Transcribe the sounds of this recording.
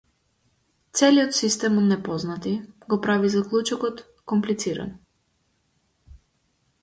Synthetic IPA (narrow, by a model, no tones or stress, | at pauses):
t̪sɛliot̪sist̪ɛmɔnɛpɔznat̪iɡɔpɾavizaklˠut͡ʃɔkɔt̪ | kɔmplit̪siɾa̰n